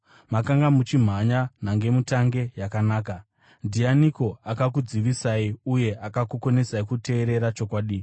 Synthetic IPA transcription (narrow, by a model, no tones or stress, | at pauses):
makaŋɡamut͡ʃim̤aɲan̤aŋɡe̞mutaŋɡe̞jakanaːka | ndianikoakakud͡ziʋisaiuje̞ʔakakuko̞ne̞saikute̞ːɾe̞ɾat͡ʃo̞kwaːɗi